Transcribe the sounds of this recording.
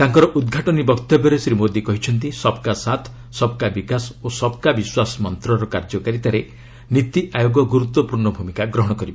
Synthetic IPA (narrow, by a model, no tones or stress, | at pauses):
t̪aŋkɔɾɔʔud̪ɡʱaʈɔnibɔkt̪ɔbɔɾesɾimod̪ikɔɦit͡ʃʰɔnt̪isɔbkasat̪ʰ | sɔb̚kabikasosɔb̚kabiswasɔmɔnt̪ɾɔɾɔkaɾd͡ʒɔkaɾit̪aɾe | nit̪iʔajoɡɔɡuɾut̪wɔpuɾɳɔbʱumikaɡɾɔɦɔɽ̃ɔkɔɾibɔ